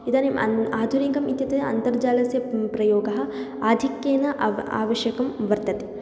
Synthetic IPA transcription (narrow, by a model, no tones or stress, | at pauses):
id̪aːnemɐ̰aːd̪ʱuɾiŋɡɐmit̪jɐt̪eɐ̰nt̪ɐɾd͡ʒaːlɐsjɐpɾɐjoːɡɐɦɐ̆ | aːd̪ʱikjeːnɐa̰ːʋɐʃjɐkɐmʋɐɾt̪ɐt̪i̥